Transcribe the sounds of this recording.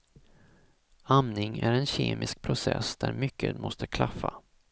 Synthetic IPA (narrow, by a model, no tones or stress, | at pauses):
amnɪŋæɾɛnɕeːmɪsk̚pʰɾʊsɛsd̪̥æɾmʏkʰːət̪mɔst̪əkʰlafːa